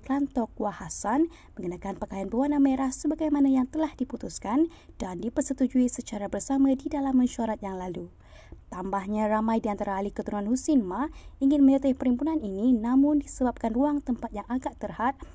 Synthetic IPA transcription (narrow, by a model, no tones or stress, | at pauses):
klant̪ɔk̚wahasan | mə̃ŋɡənakanpəkajanbəwanameɾahsəbaɡajmanajaŋt̪əlahdiput̪uskan | d̥andipərsət̪ud͡ʒuisət͡ʃaɾabərsamãdidalamːə̃nʃuaɾat̪̚jaŋlalu | t̪ambahɲãramãjdiant̪aɾaːlikət̪uɾunanhusɪnmaiŋɪnmə̃ɲət̪ahpəɾimpunanininamʊndisəbap̚kanruaŋt̪əmpat̪̚jaŋaɡaʔt̪ərhat̪̚